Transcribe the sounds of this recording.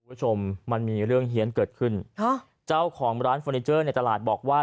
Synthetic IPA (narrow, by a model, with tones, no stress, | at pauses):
u˧˦bu˥˩t͡ɕʰo˧mːa˧nmiː˧ɾɯ˥˩əŋɦi˩˦ənkɤː˨˩t̪̚kʰɯ˥˩n˥ | t͡ɕa˥˩wkʰɔː˩˦ŋɾaː˦˥nfɔː˧niː˧˥t͡ɕɤː˥˩na˧jt̪a˧laː˨˩t̪̚bɔː˨˩k̚waː˥˩